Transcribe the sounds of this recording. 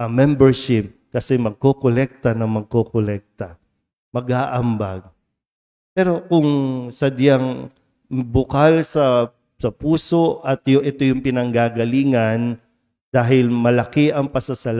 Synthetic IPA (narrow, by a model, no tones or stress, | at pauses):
ɐmɛmbɛɹʃɪp̚kɐsɛmɐɡ̚kokolɛk̚t̪ɐnɐŋmɐɡ̚kokolɛk̚t̪ɐ | mɐɡaːʔɐmbaɡ̚ | pɛːɾo̞kʊŋsɐd̪jaŋ | bʊkalsɐ | sɐpuːso̞ʔʔɐt̪jʊʔɛt̪o̞jʊŋpɪnɐŋɡaːɡɐliːŋɐn | d̪̥aːɦɪlmɐlɐkɛʔɐŋpɐsɐsɐl